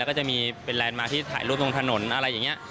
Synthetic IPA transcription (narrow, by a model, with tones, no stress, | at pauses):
ɛ˦˥kɔː˥˩t͡ɕa˨˩miː˧pe˧nlɛː˧nmaː˧t̪ʰiː˥˩t̪ʰa̰ː˩˦jluː˥˩t̪̚lo˧ŋt̪ʰa˧no˩˦nʔa˧ɾa˧jːa˨˩ŋːi˦˥ɐ